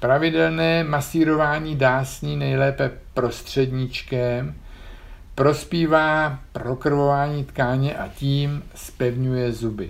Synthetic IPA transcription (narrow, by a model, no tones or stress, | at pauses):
pɾavɪdɛlnɛːmasiːɾo̞vaːɲiːdaːsɲiːnɛjlɛːpɛpɾo̞st̪r̝̥ɛdɲɪt͡ʃkɛm | pɾo̞spiːvaːpɾo̞kr̩vo̞vaːɲiːt̪kaːɲɛʔaciːmspɛvɲujɛzubɪ